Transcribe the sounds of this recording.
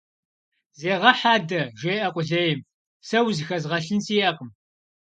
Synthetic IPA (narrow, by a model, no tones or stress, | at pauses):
zeːʁɐħaːdɐʒeːʔɐqʷʼʊɮɐjɪm | sɐwzxɐzʁɐɬɨnsiːɐqəm